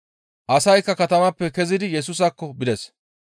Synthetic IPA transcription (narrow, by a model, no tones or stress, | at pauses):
ʔɐsɐjkːɐkɐt̪ɐmɐpːɛkɛzɪd̪ɪjɛs̬uːs̬ɐkːɔbɪd̪ɛs